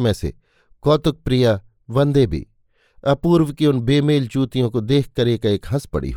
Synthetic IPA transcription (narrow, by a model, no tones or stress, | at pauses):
mẽsḛ | kɔːt̪ʊk̚pɾija | ʋɐ̃nd̪ebʱḭː | ɐpuːɾʋkiʊnbeːmeːlt͡ʃuːt̪ijõkod̪eːk̚ʰkːɐɾeːkaeːkɦɐspɐ̰ɽḭːɦ